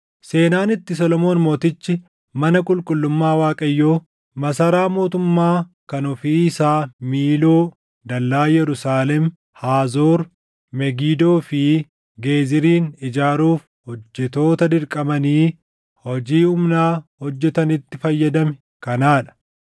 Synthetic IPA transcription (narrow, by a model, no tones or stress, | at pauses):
se̞ːnaːnɪt̪ːɪs̬ɔlɔmo̞ːnmo̞ːt̪ɪt͡ʃːɪ | mɐnɐkʼʊlkʼʊlːʊmːaːwaːkʼɐjːoː | mɐsɐɾaːmo̞ːt̪ʊmːaː | kɐnɔfiːɪsaːmiːlo̞ː | d̪ɐlːaːjɛɾʊsaːlɛm | haːzoːɾ | mɛɡiːd̪o̞ːfɪ | ɡe̞ːzɪɾiːnɪd͡ʒaːɾuːf | hɔd͡ʒːɛt̪o̞ːt̪ɐd̪ɪɾkʼɐbɐniː | hɔd͡ʒiːʊmnaːhɔd͡ʒːɛt̪ɐnɪt̪ːɪfɐjːɐd̪ɐmɛ | kɐnaːᶑɐ̥